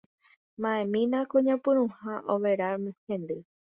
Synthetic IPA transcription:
mãẽmĩnãkõɲãpɨ̃ɾ̃ũhaʔoʋeɾamhẽnd̪ɨ

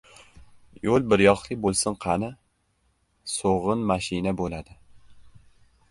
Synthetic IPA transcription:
jolˠbɪɾjɒqlˠɪbolˠsɪnqʰɑnɪ | soʁɨnmaʃɪnabolad̪ɪ

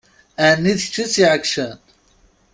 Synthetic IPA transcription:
ænːiðçt͡ʃːit͡sːiʕəkʃən

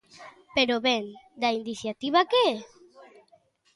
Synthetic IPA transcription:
peɾoβɛnd̪ainiθjat̪iβakee

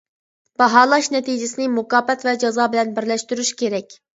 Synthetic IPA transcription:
b̥ɑɦɑːlˠɑʃnɛt̪ijd͡ʒɪsɪnɪmʊkɑːpɛt̪vɛd͡ʒɑzɑːbɪlɛnbɪɾlɛʃt̪yɾyʃkʲʰeɾɛkʲ

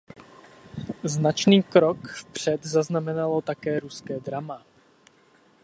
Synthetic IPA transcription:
znat͡ʃniːkɾokfpr̝̥ɛd̪zaznamɛnalot̪akɛːɾuskɛːd̪ɾama

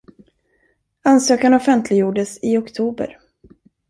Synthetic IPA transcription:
ansøːkanɔfɛnt̪ʰlɪɡjuːɖəsɪɔkt̪ʰuːbə̰ɾ

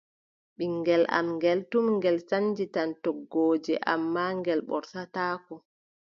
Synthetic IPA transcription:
ɓiŋɡɛla̰mŋɡɛltumŋɡɛlsand͡ʒitantɔɡːoːd͡ʒɛʔa̰mːaːŋɡɛlɓɔ̰ɾsataːkɔ

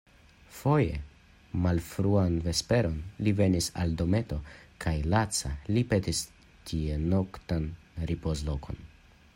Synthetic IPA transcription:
fo̞je̞̰ | malfɾuanve̞spe̞ɾo̞nlive̞nisa̰ldo̞me̞to̞kʰajlat͡salipe̞tis | tʰie̞no̞ktan | ɾipozlo̞kʰo̞̰n

